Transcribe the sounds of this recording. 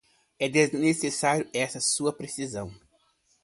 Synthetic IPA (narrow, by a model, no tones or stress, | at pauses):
ɛd̪eznesesaɾjʊɛsɐsuɐpɾesizɐ̃w̃